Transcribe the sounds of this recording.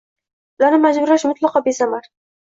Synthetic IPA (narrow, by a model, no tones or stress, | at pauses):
laɾnɪmad͡ʒbʊɾaʃmʊt̪lˠɑqɑbesamaɾ